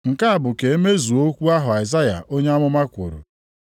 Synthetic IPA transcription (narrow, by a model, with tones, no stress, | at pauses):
ŋ̩˨ka˦a˨bʊ˨ke˨e˦me˦zu˨o˦kʷu˦a˦ɦʊ˨a˨ɪ˨za˦ja̰˨ʔo˦ɲe˦a˦mʊ˦ma˦kʷo̰˨ɾṵ˨